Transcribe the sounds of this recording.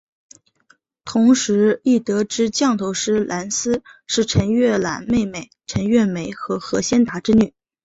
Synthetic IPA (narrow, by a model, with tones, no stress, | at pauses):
t̪ʰʊ˧˥ŋʂɻ̩˧˥i˥˩t̪ɤ˧˥ʈ͡ʂɻ̩˥t͡ɕjɑ˥˩ŋt̪ʰo˧˥ʊʂɻ̩˥lʔa˧˥nsɹ̩˥ʂɻ̩˥˩ʈ͡ʂʰə˧˥ŋɥɛ˥˩la̰˧˥nme˥˩ɪme˨˩ɪʈ͡ʂʰə˧˥ŋɥɛ˥˩me˨˧˩ɪxɤ˧˥xɤ˧˥ɕjɛ˥nt̪a˧˥ʈ͡ʂɻ̩˥ny˥˩